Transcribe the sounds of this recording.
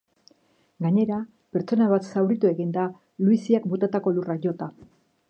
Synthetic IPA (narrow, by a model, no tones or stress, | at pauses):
ɡaɲe̞ɾa | pe̞ɾt͡so̞naβat̪sawɾit̪ue̞ɣind̪a | luisiakbut̪at̪ako̞luraʝo̞t̪a